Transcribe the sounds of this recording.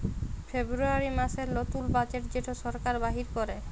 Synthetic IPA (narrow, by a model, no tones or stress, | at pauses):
febɾuaɾimaʃeɾlot̪ulbat͡ɕeʈ̚d͡ʑeʈʰoʃɔɾkaɾbaɦiɾkoɾe